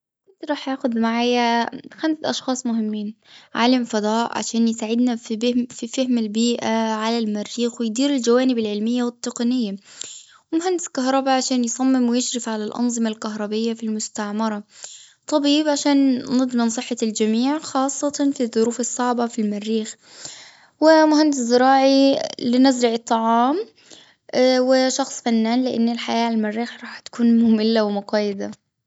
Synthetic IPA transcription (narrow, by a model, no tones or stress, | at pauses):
kʊnt̪ɾˤɑːħjaːxʊd̪maʕaːjaxamsʔɑʃxɑːsˤmʊɦɪmːiːn | ʕa̰ːlamfɑd̪ˤɑːʔʕa̰ʃaːnjɪsaʕɪd̪nafbɪfifahmalbiːʔaʕalalmarːiːxwɪjd̪iːɾɪld͡ʒawaːnɪbɪlʕɪlmɪjːawɪt̪ːɪqɑnɪjːa | wɪmʊhand̪ɪskaɦɾˤɑbaʕaʃaːnjsˤɑmːɪmwɪjɪʃɾɪfʕalalʔɑ̰nzˤɨmalkaɦɾˤɑbɪjːafilmʊst̪aʕmɑɾˤɑ | t̪ˤɑbiːbʕaʃaːnːɪd̪ˤmɪnsˤɨħːɑld͡ʒamiːʕxɑːsˤːɑt̪ɑfiðˤːʊɾuːfɑsˤːɑʕbafilmarːiːx | wɪmʊhand̪ɪszɪɾɑːʕilɪnazɾɑʕɨt̪ˤːɑʕɑːm | wɪʃɑxsˤfanːaːnlɪʔa̰nːɪlħajaːlmarːiːxɾˤɑːħt̪ḁkuːnmʊmɪlːawɪmʊɡɑjɪd̪a